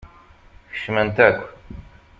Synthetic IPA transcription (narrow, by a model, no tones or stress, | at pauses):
çə̥ʃmənt̪ækʷː